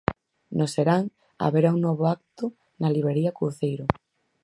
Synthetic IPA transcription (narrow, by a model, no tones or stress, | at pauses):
noseɾaŋ | a̰βeɾauŋnɔβ̞oak̚t̪ʊ | naliβɾeɾiakɾuθejɾʊ